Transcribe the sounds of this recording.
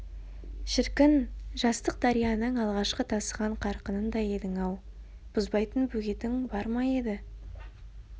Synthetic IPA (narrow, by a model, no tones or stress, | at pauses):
ʃɪɾkʲɪnʒɑst̪əq̚d̪ɑɾijɑnəɴɑlˠʁɑʃqət̪ʰɑsəʁɑɴqʰɑɾqənənd̪ɑje̞d̪ɪŋɑw | b̥ʊzbɑjt̪ənbɵɡʲe̞t̪ɪŋbɑɾmɑje̞d̪ɪ